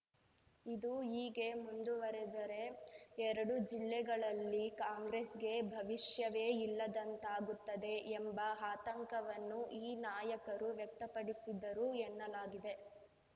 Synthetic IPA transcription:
id̪uiːɡe̞mund̪uʋɐɾed̪ɐɾe̞ɛɾɐɽud͡ʒilːɛɡɐɭɐlːikaːŋɡɾeːsɡe̞bʱɐʋiʂjɐʋe̞ːilːɐd̪ɐnt̪aːɡut̪ːɐd̪e̞ʔembɐɦaːt̪ɐŋkɐʋɐnːuʔiːnaːjɐkɐɾuʋjɐk̚t̪ɐpɐɽisid̪ɐɾuɛnːɐlaːɡid̪e̞

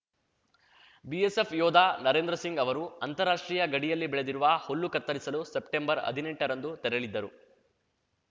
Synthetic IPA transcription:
biesepʰjɔːd̪ʱaːnɐɾe̞ːnd̪ɾɐsiŋɡɐʋɐɾuɐnt̪ɐɾaːʂʈɾiːjɐɡɐɽijɐlːibɛɭed̪iɾuʋɐholːukɐɾt̪ːɐɾisɐlusepʈembɐɾɐ̰d̪ʱineɳʈɐɾɐnd̪ut̪ɛɾɐɭid̪ːɐɾu

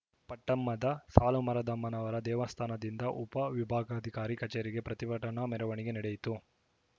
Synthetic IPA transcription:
pɐʈːɐmːɐd̪ɐsaːlumɐɾɐd̪ɐmːɐnɐʋɐɾɐd̪ɛːʋɐst̪ʰaːnɐd̪ind̪ɐʔupɐʋibʱaːɡɐːd̪ʱikaːɾikɐt͡ʃeːɾiɡe̞pɾɐt̪ibɐʈɐnɐmɛɾɐʋɐɳiɡe̞nɐɽejit̪u

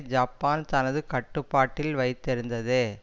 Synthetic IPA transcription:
d͡ʒaːpːaːnt̪ɐnɐðɯkɐʈːɯpːaːʈːɪlʋɐɪt̪ːɪɾɯnd̪ɐðeː

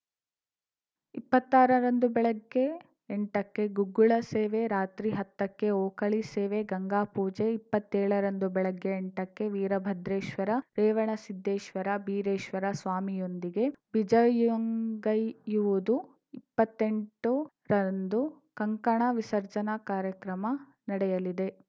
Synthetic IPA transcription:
ipːɐt̪ːaːɾɐɾɐnd̪ubɛɭɐɡːe̞ː | ɳʈɐkːe̞ɡuɡːuɭɐseːʋeɾaːt̪ɾiɦɐt̪ːɐkːe̞oːkɐɭiseːʋeɡɐŋɡaːpuːd͡ʒeipːɐt̪ːeːɭɐɾɐnd̪ubɛɭɐɡːeːɳʈɐkːe̞ʋiːɾɐbʱɐd̪ɾeːʃʋɐɾɐɾeːʋɐɳɐsid̪ʱːeːʃʋɐɾɐbiːɾeːʃʋɐɾɐsʋaːmijond̪iɡe̞bid͡ʒɐjŋɡɐjuʋud̪u | ipːɐt̪ːeɳʈu | ɾɐnd̪u | kɐŋkɐɳɐʋisɐɾd͡ʒɐnɐkaːɾjɐkɾɐmɐ | nɐɽɛjɐlid̪e̞

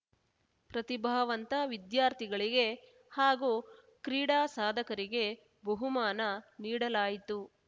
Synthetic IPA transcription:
pɾɐt̪ibʱɐʋɐnt̪ɐʋid̪jaːɾt̪ʰiɡɐɭiɡe̞ | haːɡuː | kɾiːɽaːsaːd̪ʱɐkɐɾiɡe̞ | bɐɦumaːnɐniːɽɐlaːjit̪u

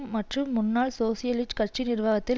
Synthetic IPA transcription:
mmɐʈrɯmːʊnːaːɭsoːsɪjɐlɪsʈkɐʈ̚t͡ʃinɪrʋaːɣɐt̪ːɪ

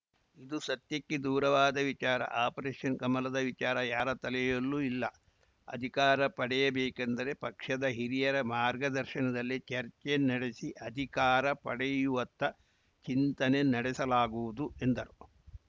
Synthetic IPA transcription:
id̪usɐt̪jɐkːed̪uːɾɐʋaːd̪ɐʋit͡ʃaːɾɐ̰ʔaːpɐɾeːʂjɐnkɐmɐlɐd̪ɐʋit͡ʃaːɾɐjaːɾɐt̪ɐlɛjolːuilːɐ | ɐ̰d̪ʱikaːɾɐpɐɽɛjɐbeːkɐnd̪ɐɾepɐkʂɐd̪ɐɦiɾijɐɾɐmaːɾɡɐd̪ɐɾʃɐnɐd̪ɐlːit͡ʃɐɾt͡ʃenɐɽesiʔɐd̪ʱikaːɾɐpɐ̰ɽɛjuʋɐt̪ːɐ | t͡ʃint̪ɐnenɐɽɛsɐlaːɡuʋud̪ue̞nd̪ɐɾu

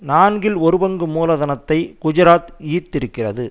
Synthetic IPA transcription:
naːnɡɪlɔɾɯbɐŋɡɯmuːlɐðɐnɐt̪ːɐɪkʊd͡ʒɐɾaːt̪iːt̪ːɪɾɯkːɪrɐðɯ

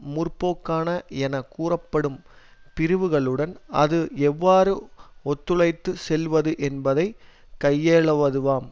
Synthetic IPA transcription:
mʊrpoːkːaːnɐɛnɐkːuːrɐpːɐɽɯm | pɪɾɯʋɯɣɐɭɯɽɐnɐ̰ðɯɛʋːaːɾɯɔt̪ːɯɭɐɪt̪ːɯsɛlʋɐðɯʔɛnbɐðɐɪ | kɐjːeːɭɐʋɐðɯʋaːm

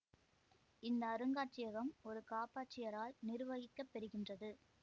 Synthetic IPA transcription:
ɪnd̪ɐːɾɯŋɡaːʈ̚t͡ʃɪjɐɣɐmɔɾɯkaːpaːʈt͡ʃɪjɐɾaːlnɪɾɯʋɐɣɪkːɐpːɛɾɯɣɪndrɐðɯ

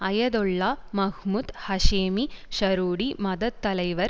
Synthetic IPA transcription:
ɐjɐd̪ɔɭːaːmɐɦmuːd̪hɐʃeːmiʃɐɾuːɽimɐd̪ɐd̪ːɐlɐjʋɐɾ

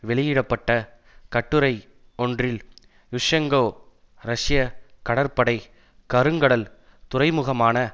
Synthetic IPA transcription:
ʋɛɭɪjɪɽɐpːɐʈːɐ | kɐʈːɯɾɐɪ | ɔndrɪl | jʊʂɐŋɡoː | ɾɐʂɪjɐkɐɽɐɾpɐɽɐɪ | kɐɾɯŋɡɐɽɐl | t̪ʊɾɐɪmʊɣɐmaːnɐ

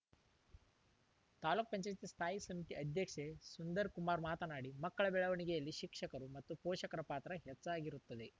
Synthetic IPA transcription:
t̪aːluk̚pɐɲt͡ʃajt̪ist̪ʰaːjisɐmit̪iɐd̪ʱjɐkʂesund̪ɐɾkumaːɾmaːt̪ɐnaːɽimɐkːɐɭɐbɛɭɐʋɐɳiɡejɐlːiʃikʂɐkɐɾumɐt̪ːupɔːʃɐkɐɾɐpaːt̪ɾɐɦet͡ʃːaːɡiɾut̪ːɐd̪e̞

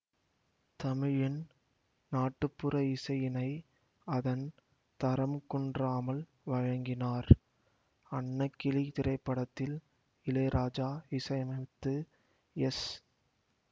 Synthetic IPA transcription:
t̪ɐmɪɻɪn | naːʈːɯpːɯɾɐɪsɐjɪnɐɪ | ɐðɐn | t̪ɐɾɐmkɔɳdraːmɐl | ʋɐɻɐŋɡɪnaːɾ | ɐɳːɐkːɪlit̪ɪɾɐɪpːɐɽɐt̪ːɪl | ɪleːɾʔaːd͡ʒaːɪsɐjɐmɐt̪ːɯ | ɛs

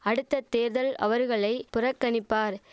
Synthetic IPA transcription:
ɐɽɯt̪ːɐt̪ːeːɾðɐlɐ̰ʋɐɾɣɐɭɐɪpʊrɐkːɐɳɪpːaːɾ

